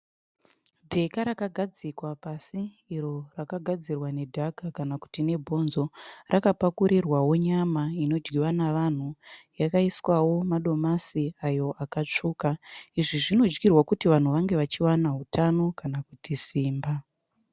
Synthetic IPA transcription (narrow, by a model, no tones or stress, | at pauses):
dʱe̞kaɾakaɡʱad͡zikwapasiː | ɾo̞rakaɡʱad͡zirwane̞dʱakakanaku̥tine̞bʱo̞nzo̞rʔakapakuɾirwawo̞ɲamaino̞d͡ʒɡiwanaʋan̤ujakaiswawo̞maɗo̞masiajo̞ʔakat͡ʂuːkaiʐiʐino̞d͡ʒɡirwakutiʋan̤uʋaŋɡe̞ʋat͡ʃiwanaɦutʰano̞kanakutisiːmba